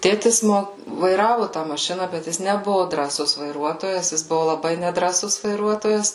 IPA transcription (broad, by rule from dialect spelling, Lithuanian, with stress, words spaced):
ˈtʲeːtʲɪs ˈmoː ʋɐɪˈrɑːʋʊ tɑː mɐˈʃʲɪnɐ bʲɛt ˈjɪs nʲɛˈbʊʋʊ drɑːˈsʊs ʋɐɪˈruɔtoːjɛs jɪs ˈbʊʋʊ lˠɐˈbɐɪ nʲɛdrɑːˈsʊs ʋɐɪˈruɔtoːjɛs